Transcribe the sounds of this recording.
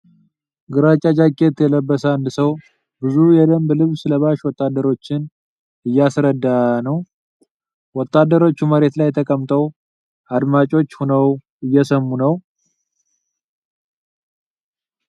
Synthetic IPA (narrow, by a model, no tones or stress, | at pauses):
ɡɨɾat͡ʃʼad͡ʒakʼːe̞t̪jɛləbːəsəand̪ɨsəw | bɨzujɛd̪əmblɨβsləβaʃwɔt̪ʼːad̪ːəɾo̞t͡ʃːɪn | ɨjːasɾəd̪ːanəw | wɔt̪ːad̪ːəɾo̞t͡ʃːuməɾe̞t̪lajt̪ʰəkʼəmt̪ʰʼəw | ʔad̪mat͡ʃʼo̞t͡ʃːhonəw | ɨjːɛsəmːunəw